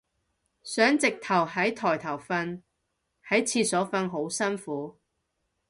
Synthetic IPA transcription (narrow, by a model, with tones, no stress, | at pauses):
sœː˨˥ŋt͡sɪ˨k̚t̪ʰɐ˨˩wɦɐ˨˥jt̪ʰɔː˨˩jt̪ʰɐ˨˩wfɐ˧n | hɐ˨˥jt͡sʰiː˧sɔː˨˥fɐ˧nɦo˨˥wsɐ˥nfuː˨˥